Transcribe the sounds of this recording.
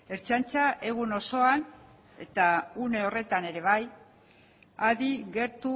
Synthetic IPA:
e̞ɾt͡ʃant͡saʔe̞ɣuno̞so̞an | e̞t̪aune̞o̞re̞t̪ane̞ɾe̞β̞aj | aðiɣe̞ɾt̪u

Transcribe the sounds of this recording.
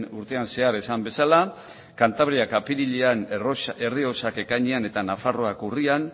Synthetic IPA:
uɾt̪e̞anse̞aɾesambe̞sala | kant̪aβ̞ɾiakapiɾiʎeane̞rio̞sake̞kajɲeane̞t̪anafaro̞akurian

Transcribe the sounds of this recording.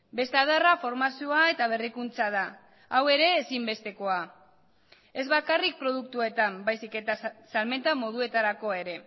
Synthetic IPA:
be̞st̪eaðarafo̞ɾmasioae̞t̪aβ̞e̞rikunt͡sað̞a | awe̞ɾe̞ːsimbe̞st̪e̞ko̞a | e̞zβakarik̚pɾo̞ð̞uk̚t̪ue̞t̪ambajsike̞t̪asalme̞nt̪amo̞ðue̞t̪aɾako̞ae̞ɾe̞

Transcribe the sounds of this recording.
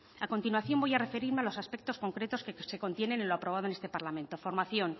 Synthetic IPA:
ako̞nt̪inwaθjo̞mbo̞jare̞fe̞ɾiɾme̞alo̞saspe̞k̚t̪o̞sko̞ŋkɾe̞t̪o̞skese̞ko̞nt̪je̞ne̞nenloapɾoβ̞aðe̞ne̞st̪e̞paɾlamẽnt̪o̞fo̞ɾmaθjo̞n

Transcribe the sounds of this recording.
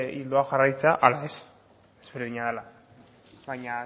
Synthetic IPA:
ild̪oaxarajt͡seaʔalaes | ezβeɾðiɲaðela | βajɲa

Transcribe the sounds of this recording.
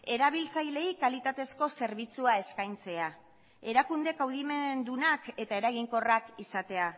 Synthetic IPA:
e̞ɾaβ̞ilt͡sajle̞ikalit̪at̪e̞sko̞se̞ɾβit͡suae̞skajnt͡se̞a | e̞ɾakund̪e̞kawð̞ime̞nd̪unake̞t̪ae̞ɾaɣiŋko̞rakisat̪e̞a

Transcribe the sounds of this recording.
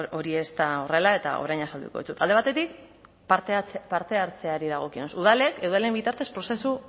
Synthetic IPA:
o̞ɾie̞st̪ao̞re̞lae̞t̪a̰o̰ɾajɲasald̪ṵko̞ðisut̪ald̪e̞βat̪e̞t̪ik̚ | ppaɾt̪e̞aɾt͡se̞aɾiðaɣ̞o̞kinosuð̞ale̞keðoelembit̪aɾt̪e̞spɾo̞se̞su

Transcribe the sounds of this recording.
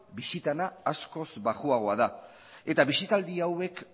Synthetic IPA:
bisit̪anaːsko̞zbaɣuaɣ̞o̞aða | e̞t̪aβisit̪ald̪iawe̞k

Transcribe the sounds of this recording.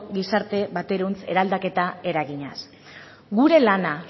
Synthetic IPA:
ɣisaɾt̪e̞βat̪e̞ɾunt͡se̞ɾald̪ake̞t̪ae̞ɾaɣiɲas | ɡuɾe̞lana

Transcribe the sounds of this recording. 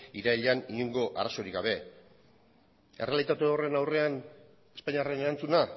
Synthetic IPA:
iɾaiʎaniuŋɡo̞ʔaraso̞ɾikɡaβe̞ | e̞re̞alit̪at̪uo̞re̞nawre̞an | e̞spaɲiare̞neɾant͡suna

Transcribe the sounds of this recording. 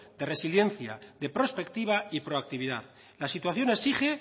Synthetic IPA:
d̪e̞re̞silje̞nθja̰ðe̞pɾo̞spe̞k̚t̪iβ̞aipɾo̞ak̚t̪iβ̞iða̰ð | lasit̪waθjo̞nesiχe̞

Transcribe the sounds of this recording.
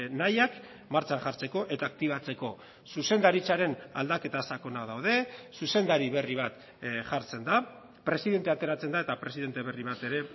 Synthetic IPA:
najak | maɾt͡ʃaŋʝaɾt͡se̞ko̞ʔe̞t̪aːk̚t̪iβ̞at͡se̞ko̞ | suse̞nd̪aɾit͡saɾe̞na̰ld̪ake̞t̪asako̞nað̞awðe̞suse̞nd̪aɾiβe̞riβ̞at̪ | ʝaɾt͡se̞nd̪a | pɾe̞siðe̞nt̪e̞at̪e̞ɾat͡se̞nd̪aet̪apɾe̞siðe̞nt̪e̞βe̞riβ̞at̪e̞ɾe̞

